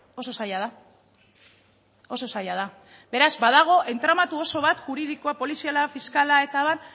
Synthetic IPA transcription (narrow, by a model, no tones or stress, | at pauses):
o̞so̞sajaða | o̞so̞sajað̞a | be̞ɾazbaðaɣ̞o̞ʔe̞nt̪ɾamat̪uo̞so̞β̞at̪xuɾið̞ikoapo̞lisialafiskalae̞t̪aβan